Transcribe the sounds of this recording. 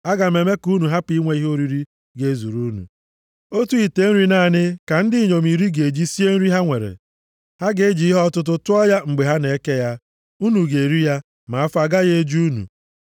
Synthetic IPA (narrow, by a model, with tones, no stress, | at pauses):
a˦ɡa˨me˨me˦ku˦nu˨ɦa˦pi˦ŋʷe˨i˦ɦo˦ɾi˦ɾi˦ | ɡe˨˦zu˨ɾu˦nṵ˨ | o˦tu˦i˨te˦n̩˦ɾi˦na˦˨nɪ˦ka˨n̩˦dɪ˦˨ɲo˨mi˨ɾi˦ɡe˨d͡ʒi˦si˦e˦n̩˦ɾi˦ɦa˦ŋʷe˨ɾḛ˨ | ha˦ɡe˨e˦d͡ʒi˨˦i˦ɦɔ˦tʊ˦t̬ʊ˦tʊ˦ɔ˦ja˦ŋ͡m̩˨ɡ͡be˨ɦa˦ne˨˦ke˦ja˦ | u˦nu˨ɡe˨ɾi˦ja˦ | ma˨a˦fa˨ɡa˦ɣe˦d͡ʒu˦nṵ˨